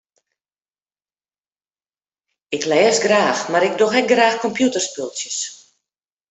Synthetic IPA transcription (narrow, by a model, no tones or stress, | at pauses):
ɪklɛːsɡraːxmaɾɪk̚doxɛk̚ɡraːxkɔmpjutərspølˠsjəs